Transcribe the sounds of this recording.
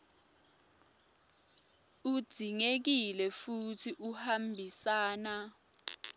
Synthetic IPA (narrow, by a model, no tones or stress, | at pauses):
u̥d̥ʱiŋek̬ilɛfutʰiʔuhambʱisaːna